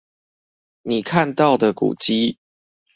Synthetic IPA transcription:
ni˨˩kʰa˥˨˧nt̪ɑ˥˨˩ʊd̪ə˨kṵ˨˩t͡ɕi˦

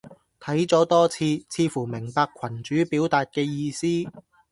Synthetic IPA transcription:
t̪ʰɐ˨˥jt͡sɔː˨˥t̪ɔː˥t͡sʰiː˧t͡sʰiː˧fuː˨˩mɪ˨˩ŋpaː˧kʷʰɐ˨˩nt͡ʃyː˨˥piː˨˥wt̪aː˨t̚kɛː˧jiː˧siː˥

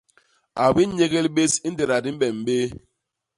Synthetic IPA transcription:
a˨bi˦ɲe˦ɡe˦lbe˦si˦n̩˦de˨ɾa˨di˦m̩˦bɛ˨m˨be˦

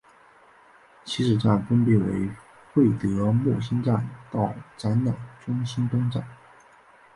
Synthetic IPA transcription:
t͡ɕʰi˧˥ʂɻ̩˨˩ʈ͡ʂa˥˩nfə˥npjɛ˥˩wḛ˧˥ɪ | xwe˥˩ɪt̪ɤ˧˥mwɔ˥˩ɕi˥nʈ͡ʂa˥˧nt̪ɑ˥˩ʊʈ͡ʂa˧˥nnɑ˨˩ʊʈ͡ʂʊ˥ŋɕi˥nt̪ʊ˥ŋʈ͡ʂa̰˥˩n

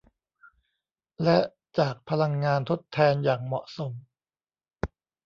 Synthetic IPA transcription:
lɛ˦˥ʔ | t͡ɕaː˨˩k̚pʰa˧la˧ŋːaː˧nt̪ʰo˦˥t̪ʰːɛː˧njaː˨˩ŋmɔ˨˩ʔso˩˦m

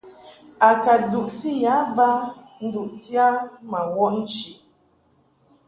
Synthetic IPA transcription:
a˨ka˨du˨ʔti˦˨ja˨˦va˦ | n̩˦du˨ʔti˦a˦ma˨wɔ˦n̩˦t͡ʃi˨

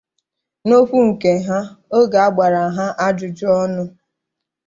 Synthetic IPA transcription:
no˦ɸu˦ŋ̩˨ke˨ɦa˦o˦ɡa˨a˦ɡ͡ba˨ɾa˨ɦa˦ʔa˦d͡ʒʊ˨d͡ʒɔ˦nʊ˦

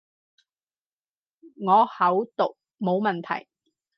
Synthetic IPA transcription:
ŋɔː˨˧hɐ˨˥wt̪ʊ˨k̚ | mo˨˧wmɐ˨nt̪ʰɐ̰˨˩j

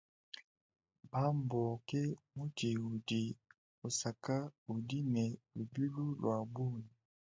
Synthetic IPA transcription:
ba˦mbɔ˨kɛ˦mu˦ti˨u˨di˨ | o˨sa˨ka˦u˨di˦nɛ˨lu˨bi˦lu˦lwa˨bu˦˨ni˨

